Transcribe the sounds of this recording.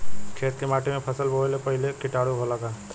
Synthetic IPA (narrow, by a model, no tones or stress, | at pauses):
kʰeːt̪kemaːʈimẽpʰəsəlbʱolepəɦɪlekɪʈaːɽuɦolaka